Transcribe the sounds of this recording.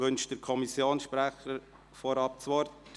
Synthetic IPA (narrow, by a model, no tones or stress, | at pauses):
ʋɵnʃd̥əɾkʰɔmisjoːnsʃpɾæχəɾ | fɔɾɑp̚t͡sʋɔɾt